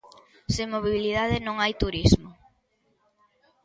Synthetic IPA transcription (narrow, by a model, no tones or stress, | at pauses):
semoβiβilið̞aðɪnõŋajt̪uɾizmʊ